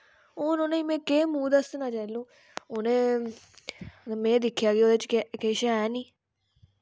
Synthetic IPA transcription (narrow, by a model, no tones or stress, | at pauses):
oːnoːnẽmẽːkeːmũːd̪əsnãːt͡ʃaːlũː | onẽː | mɛ̃ːd̪ɪkʰːjaːɡioːd̪eːt͡ʃːkeːʃaɛːniː